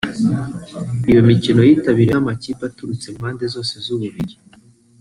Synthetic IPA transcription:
ijo̞micino̞jiːtaβiɾeamacipatuɾut͡se̞mhaːnde̞zo̞ːsezuβuβiɾi

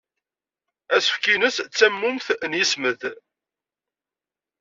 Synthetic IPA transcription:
æsə̥fkinəst͡sːæmːʊmθnjisməð

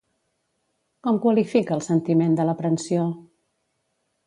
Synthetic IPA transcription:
kɔmkwəlifikəːlˠsənt̪imend̪ələpɾənsio

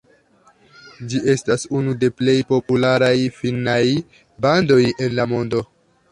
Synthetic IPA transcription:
d͡ʒiʔe̞stasunude̞ple̞jpo̞pulaɾajfinaj | bando̞je̞nlamo̞ndo̞

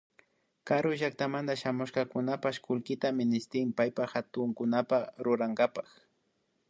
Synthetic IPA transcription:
kaɾʊʒak̚t̪amand̪aʃamʊʃkɑkʊnapaʃkʊlkɪt̪amɪnɪst̪ɪmpajpaxat̪ʊŋkʊnapaɾʊɾaŋɡapax

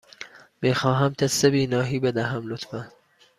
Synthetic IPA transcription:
miːxɒːɦæmt̪ʰesebiːnɒːɦiːbed̪æɦæmlot̪fæn

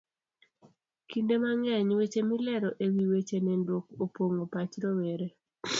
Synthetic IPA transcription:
kindemaŋɛɲwet͡ʃemilɛɾɔʔewiwet͡ʃenɛndwok̚opoŋopat͡ʃɾoweɾe

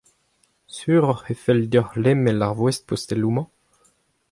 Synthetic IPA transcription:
syːʁɔχefɛld̪ɔʁlɛmɛlaʁvwɛst̪̚post̪ɛlumɑ̃

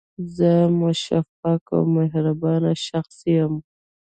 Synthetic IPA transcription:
zəmʊʃafaka̰wmaɦɾabɑnaʃaxsijəm

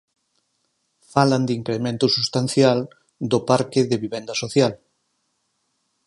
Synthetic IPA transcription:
faland̪iŋkɾemẽnt̪ʊsust̪anθjal | d̪opaɾkɪðɪβiβend̪ɐsoθjal

